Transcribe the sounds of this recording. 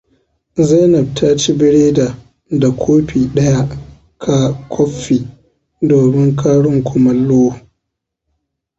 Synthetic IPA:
za˦jnɐ˨b̚tʰa˦t͡ʃi˦bɪ˦ɽeː˦da˨ | da˨kʷʰoː˦ɸiː˨ɗɐ˦ja˦ | kʰa˦kʷʰɔ˦ɸːiː˨ | doː˨mɪ˦ŋkʰa˦ɽʊ˦ŋkʷʊ˨mɐ˦lːoː˦

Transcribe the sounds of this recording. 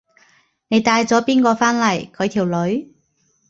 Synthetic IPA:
ne˨˧jt̪aː˧jt͡sɔː˨˥piː˥nkɔː˧faː˥nlɐ˨˩jkʰɵ˨˧ɥt̪ʰiː˨˩wlɵ˨˥ɥ

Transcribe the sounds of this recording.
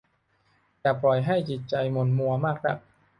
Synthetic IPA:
t̪ɛː˨˩plɔ˨˩jɦa˥˩jt͡ɕi˨˩t̪̚t͡ɕa˧jmo˧nmu˧ɐmaː˥˩k̚na̰˧˩k̚

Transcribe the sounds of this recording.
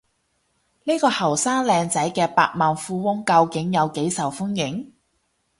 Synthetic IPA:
niː˥kɔː˧hɐ˨˩wsaː˥ŋlɛː˧ŋt͡sɐ˨˥jkɛː˧paː˧t̚maː˨nfuː˧wʊ˥ŋkɐ˧wkɪ˨˥ŋjɐ˨˧wke˨˥jsɐ˨˩wfʊ˥njɪ˨˥ŋ

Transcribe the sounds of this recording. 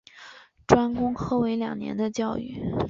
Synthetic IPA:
ʈ͡ʂwa˥nkʊ˥ŋxʰɤ˥we˧˥ɪljɑ̰˨˩ŋnjɛ̰˧˥nd̪ə˧t͡ɕjɑ˥˧ʊy˥˩

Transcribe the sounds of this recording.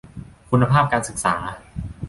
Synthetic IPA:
kʰu˧nːa˧pʰaː˥˩p̚kaː˧nsɯ˨˩k̚saː˩˦

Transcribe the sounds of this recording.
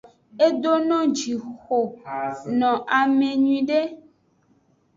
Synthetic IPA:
e˦d̪o˦nɔ̃˦d͡ʒi˨xo˨nɔ̃˨ʔa˨mẽ˨ɲũĩ˨ɖe˦

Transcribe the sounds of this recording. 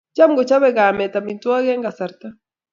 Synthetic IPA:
t͡ʃa˦m˦ɡɔ˨t͡ʃa˦βɛ˦˨ɡa˨mɛ˨ta˨mi˨ntwa˦ɡɛ˦ŋɡa˨sa˨ɾt̪a˦

